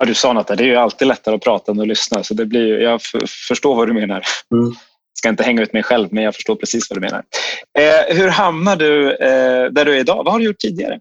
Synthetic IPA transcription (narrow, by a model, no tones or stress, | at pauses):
jɑd̪ɵsɑːnɔt̪ʰːɛd̪ɛæɾjəalt̪iːd̪lɛt̪ːaɾəɔpʰɾɑːt̪aɔmɛɔlʏsnasɔd̪ɛblɪɾjjɑɡffœʂʈoːɾvad̪ɵmeːnaɾ | skaɪnt̪əhɛŋːaʉ̟ːt̪mɛjɧɛlvmɛnjɑːɡfœ̥ʂʈoːɾpʰɾɛsiːsvad̪ɵmḛːna̰ɾ | hɵɾhamnaɖɵ | d̪æɖɵæɾɪd̪ɑ̰ːvahaɖɵjʊʈ̪̚ːʰiːd̪ɪɡa̰ɾə̰